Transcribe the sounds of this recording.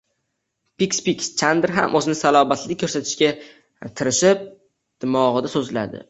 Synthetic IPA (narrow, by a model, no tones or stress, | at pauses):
pikʲspikʲst͡ʃʰand̪ɾɦa̰mʔɵzɪnɪsalɒmat̪ʰlɪkʰːɵɾsat̪ʰɪ̥ʃkʲa | t̪ʰɪɾɪʃɪp̚ | d̪̥ɪmɒʁɨd̪asɵzla̰d̪ɪ̰